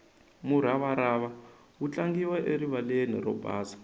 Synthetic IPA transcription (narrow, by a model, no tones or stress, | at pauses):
muɾ̤aβaɾaβa | ut͡ɬaŋɡiwaʔeɾiβaleniɾɔ̰bʱa̰ːzḁ